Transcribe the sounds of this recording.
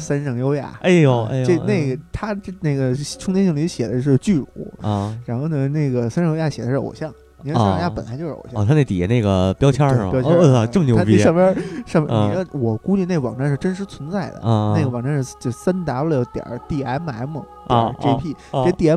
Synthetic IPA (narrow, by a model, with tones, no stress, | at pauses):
sa˥nʂɤ˧˩ŋjo˥ʊja̰˥˩e˥˩o˨˧˩ʈ͡ʂe˥˧ne˥˩ɪɡə˩t̪ʰa˥˧ne˥˩ɪɡə˩ʈ͡ʂʰʊ˥ŋt̪jɛ˥ɕi˥˩ŋli˧˥ɕjɛ˨˩d̪ə˦ʂ̬ɻ̩˥˩t͡ɕy˥˩ɻṵ˨˩˦ɻa˧˥nxo˥˩ʊnə˩ne˥˩ɪɡə˩sa˥nʂjo˥ja˥˩ɕjɛ˨˩ə˦ʂɻ̩˥˩o̰˨˩ɕjɑ˥˩ŋ | ni˨˩˥ja˥˧ja˥˩pə˨˩nla̰˧˥t͡ɕjo˥˧ʂɻ̩˥o̰˨˩ɕjt̪ʰa˥ne˥˩ɪt̪ḭ˨˩˧ne˥˩ɡə̰˩pjɑ˥ʊt͡ɕʰjɑ˥˧pjʊt͡ɕʈ͡ʂə˥˩mənjo˧˥pi˧ʂɑ˥˩mmjɑ˥˧ʂmj̰n˧i˩˧˥wɔ˨˩ku˥t͡ɕy˥˧ne˥˩ɡə˩wɑ˨˩ŋʈ͡ʂa˥˧nʂɻ̩˥˧ʈ͡ʂə˥nʂ̬ɻ̩˧˥t͡sʰwə˧˥nt͡sa˥˩ɪd̪ə̰˩˥˧ne˥˩ɡə˩wɑ˨˩ŋʈ͡ʂa˥˧ʂɻ̩˥˩t͡ɕo˥˧sa˥nt̪a˧˥plo˧˩t̪jɑ̰˨˩˥t̪i˥˩a˧˥ɪma˧˥ɪmə˨˩˦tʈ͡ʂe˥pʰi˥˩˥t̪i˥˧˩a˧˥